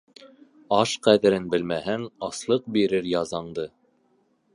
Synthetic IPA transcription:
ɑʃqæðɘ̆ɾɘnbɘ̆lmæɦɘnɑslˠɤq̚biɾɘɾjɑzɑɴd̪ɤ

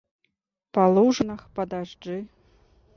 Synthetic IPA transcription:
palˠuʐɨnɐxpɐd̪aʐd͡ʐɨ

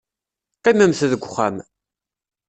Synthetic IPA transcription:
qimæmθəðəɡʷχam

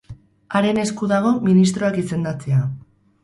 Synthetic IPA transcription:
aɾe̞ne̞skuðaɣ̞o̞minist̪ɾo̞akise̞nd̪at͡sea

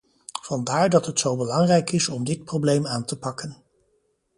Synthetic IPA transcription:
v̥ɑndaːɹdɑtɦətsowbəlɑŋrɛjkɪsɔmdɪt̚prowblejmaːntəpɑkən

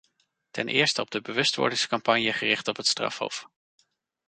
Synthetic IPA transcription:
tɛnʔɪ̰ːɹstəɔb̚dəbəʋɵstʋɔ̰ɹdɪŋskɑmpɑnjəχərɪχtɔpɦətstrɑ̰fɦo̰wf

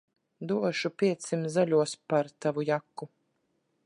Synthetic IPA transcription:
d̪uɔʃupʲiɛt̪simzalʲuɔspaɾt̪avujakːu

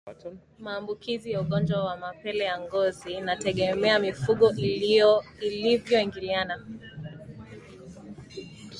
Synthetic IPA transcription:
maːmbukizijauɠɔnd͡ʒwawamapɛlɛjaŋɡɔzinatɛɠɛmɛamifuɠɔ | ilivjɔiŋɡiliana

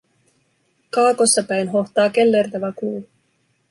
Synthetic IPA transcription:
kɑːkosːɑpæjnɦo̞ht̪ɑːkelːe̞rt̪æʋækluː

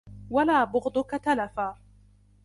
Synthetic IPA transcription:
walaːbʊɣd̪ˤʊkat̪alafaː

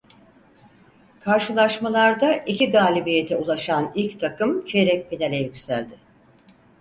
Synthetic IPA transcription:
kʰaɾʃɯlˠaʃmalˠaɾd̪aʔiciɡaːlʲibijet̪ʰɛulˠaʃanilʲct̪ʰakɯmt͡ʃʰeɾɛc̚ʲpʰinelʲɛjycsælʲd̪ɪ

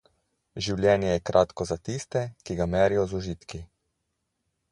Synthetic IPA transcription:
ʒiwlʲjɛːnjɛjɛkɾʔaːt̪kɔzat̪ist̪ɛkiɡamɛːɾijɔzuʒiːt̪ki

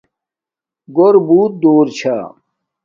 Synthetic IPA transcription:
ɡoɾbuːt̪̚d̪oːɾt͡ɕʰaː

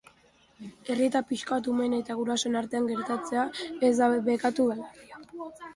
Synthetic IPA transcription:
e̞riet̪apiʃkaβat̪̬ume̞net̪aɣ̞uɾasoenaɾt̪e̞aŋɡe̞ɾt̪at͡se̞aezd̪aβe̞kat̪uðal

